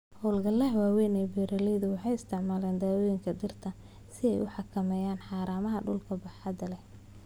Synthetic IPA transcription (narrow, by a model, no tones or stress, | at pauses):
hɔːlɡɐlɛhwaːwɛnɛːbɛːɾɐlɛjðʊwɑħɑjɪst̪ʰɪʕmaːlɛːnd̪aːwɔjɪŋkʰɐd̪ɪrt̪ʰɐ | sɪɛ̰jʊ̰ħɑkʰɐmɛːjaːnħɑːɾaːmɐɦɐɖʊlkʰɐbɐħɑd̪ɐlɛ